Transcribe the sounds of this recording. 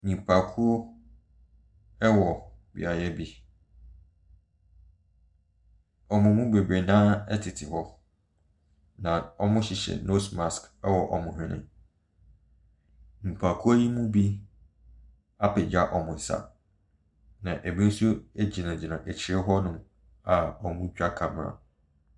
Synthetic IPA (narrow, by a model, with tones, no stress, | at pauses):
ɲĩ˨pʰa˨kʰu˦o˦ | ɛ˦wɔ˨bḭ˨a˨jɛ˦bi˦ | ɔ˨mʊ̃˨mũ˦be˨bɾe˨nã˦ɛ˦tʰɪ˨tʰɪ˨hɔ˦ | nã˨ɔ˦mʊ̃˦ɕi˨ɕɛ̰˨no˦sma˨skɛ˦wɔ˨ʔɔ̰˨mʊ̃˨hɪ̃˦nɪ̰̃˦ | m̩˨pʰa˨kʰu˦æ˦ji˦mũ˦bi˦ | a˦pʰɪ˨d͡ʑa˦ʔɔ˨mʊ̃˨n̩˨sa̰˦ | nã˨ʔe˨bĩ˦n̩˦su˦e˦d͡ʑi˨nã˨d͡ʑi˨nã˨ʔɛ˨t͡ɕʰɪ˨ɪ˦ɦɔ˦nʊ̃˦m | a˨ɔ˨mʊ̃˦t͡ɕᶣa˦kʰã˨m˨ã̰˨